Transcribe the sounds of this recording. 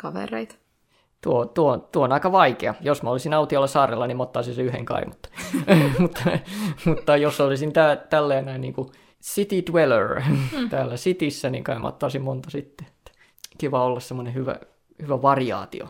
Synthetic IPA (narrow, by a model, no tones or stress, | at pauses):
kɑʋḛrḛit̪ | t̪uot̪uot̪uoonɑikɑʋɑikeɑjosmæolisinɑut̪iɑlːɑsɑːrḛlːɑnimot̪ːɑːsinseyhḛŋkɑ̰ḭmut̪ːɑ̥mut̪ːɑmut̪ːɑjosolisint̪æːt̪ælːeːnæinniːŋku | sit̪itwelø̰rt̪æːlːæsit̪isːæniŋkɑimʔɑ̰t̪ːɑːsimmont̪ɑsit̪ːeet̪ːæ̥ | kiʋɑolːɑssemːonehyʋæ̰ | hyʋæʋɑriɑ̰ːt̪ḭo̰